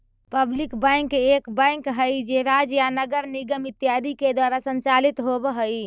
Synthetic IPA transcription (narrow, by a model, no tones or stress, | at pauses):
pəblikbãɪŋkekbə̃ŋkɦəjd͡ʒeɾad͡ʒjanəɡəɾniɡəmit̪ijad̪ʱiked̪waɾasənt͡ʃalit̪ɦobəɦəj